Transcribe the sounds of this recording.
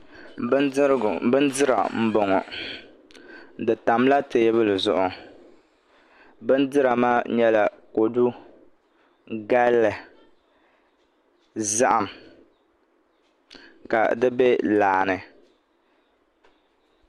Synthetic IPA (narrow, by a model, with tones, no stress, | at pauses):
bɨ˦ndɨ˦ɾa̰˨m̩˦bɔ˨ŋɔ̰˨ | dɨ˨ta˨mla˦te˨˦βɨ˦lɨ˨zʊ˨ʔʊ˨ | bɨ˦ndɨ˦ɾa˨maː˦ɲɛ˦la˨ko˨du˦ | ɡa˦lːɨ˨ | za˦ʔa˨m | ka̰˨dɨ˦bɛ˦laː˨nɨ˨